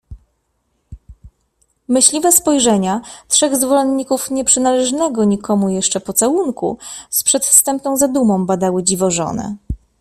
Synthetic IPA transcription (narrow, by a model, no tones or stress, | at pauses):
mɘɕlʲivɛspɔjʐɛɲatʂɛɣzvɔlɛnɲːikufɲɛpʂɘnalɛʐnɛɡɔɲikʰɔmujɛʂt͡ʂɛpɔt̪sawuŋkṵspʂɛt̪fst̪ɛmpnɔ̃w̃zad̪umɔ̃w̃bad̪awɘd͡ʑivɔʐɔ̰nɛ̰